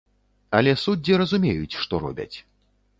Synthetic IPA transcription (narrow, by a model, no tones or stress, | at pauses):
ɐlʲɛsud͡zʲːiɾɐzumʲejut͡sʲʂt̪ɔɾɔ̰bʲɐ̰t͡sʲ